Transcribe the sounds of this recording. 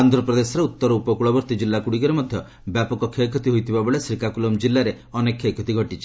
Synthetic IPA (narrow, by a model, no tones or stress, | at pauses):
and̪ɾɔpɾɔd̪esɔɾeut̪ːɔɾɔupɔkuɭɔbɔɾt̪id͡ʒilːakuɽikɔɾemɔd̪ʱjɔ | bjapɔkɔkʰekʰɔt̪iɦojt̪ʰibabɔɭesɾikakulɔmd͡ʒilːaɾe | ɔnekʰːekʰɔt̪iɡʱɔʈit͡ʃʰi